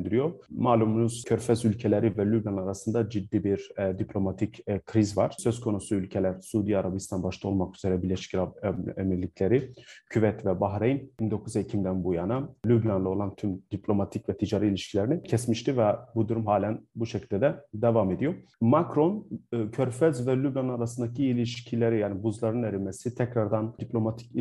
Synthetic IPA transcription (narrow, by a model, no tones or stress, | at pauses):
nd̪iɾijo̞maːlʲˠumunuz̥cʰøɾfɛzylʲcʰelʲeɾivɛlʲyblʲanaɾasɯnd̪ad͡ʒid̪ːiːbiɾd̪iplʲo̞mat̪ʰicʰkʰɾizva̰ɾ̥søzkʰo̞nusuylʲcʰelʲæɾ̥suːd̪ijaɾabist̪ʰanbaʃt̪ʰˠao̞lˠmakyz̥eɾɛbiɾlʲeʃi̥cɾaemiɾlʲicʰʲlʲe̞ɾicʰyvɛt̪vɛbaɦɾejinbind̪o̞kʰuzecʰimd̪ænbujanalʲyblʲanlˠɯo̞lˠant̪ʰymd̪̥iplʲo̞mat̪ʰicvɛt̪ʰid͡ʒaɾɯilʲiʃcʰilʲeɾinicʰɛsmiʃt̪ivɛbud̪uɾumɦaːlʲænbuʃecʰilʲd̪ɛd̪ɛd̪evaːme̞d̪ijo̞makɾo̞nːcʰøɾfɛzvɛlʲyblʲanaɾasɯnd̪acʰiːlʲiʃcʰilʲeɾijaːnibuzlˠaɾɯneɾimesit̪ʰɛcɾaɾd̪and̪iplʲo̞mat̪ʰi̥c